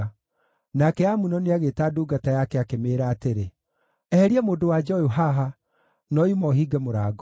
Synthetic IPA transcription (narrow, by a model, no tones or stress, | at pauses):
nakɛamunɔneaɣetaːduːɡatajakɛakemeːɾaːteɾe | ɛhɛɾiɛmoːndowad͡ʒɔoɦaɦa | nɔimɔɦiɡɛmoɾaːɡ